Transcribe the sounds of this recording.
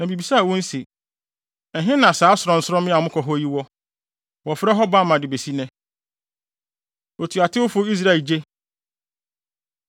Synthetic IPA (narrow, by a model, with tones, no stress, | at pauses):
nã˨bi˨bi˨sa˦˨wɔ̃˦n̩˦se˨ | n̩˨ɦɪ̃˦nã˨saː˨˦sʊ˨ɾɔ̃˨n̩˦sɔ̃˦mɪ̃˦a˨mʊ̃˦kʰɔ˨ɦɔ˦ji˦wɔ˦ | wɔ˨fɾɛ˦ɦɔ˦ba˦˨mã˨dɪ˨be˨si˦nɛ̃˦ | o˨tʰu˨a˨tʰɪ˦wʊ˦fʊ˦i˦s̬ɾa˦ɛ˨d͡ʑe˦